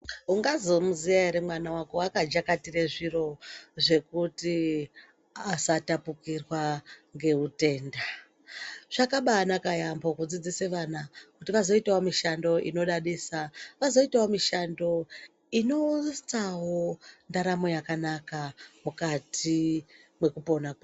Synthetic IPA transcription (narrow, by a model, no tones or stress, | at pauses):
uŋɡazomuzijaeɾemwanawakoakad͡ʒakatire̞ʐiro̞ʐe̞kuti | asatapukirwaŋɡe̞ute̞ːnda | ʐ̥akaɓaːnakajambokud͡zid͡ziseʋanakutiʋazo̞itawomiʃando̞ʔḭno̞ɗaɗiːsaʋazo̞itawomiʃando̞ | ino̞st͡sawo̞ndaɾamo̞jakanakamukatʰimwe̞kupo̞naka